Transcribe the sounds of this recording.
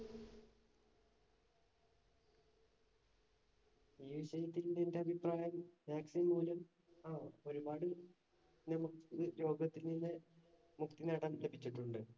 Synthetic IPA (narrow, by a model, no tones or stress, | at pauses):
juɕɐjit̪ːilndende̞ɐbʱipraːjɐmːaːksimuːlɐm | aːo̞ɾubaːɽɨ | nɐmukɨɾo̞ːɡɐt̪ːilninːe | mukt̪inaːɽɐmlebʱit͡ɕːiʈːuɳɖɨ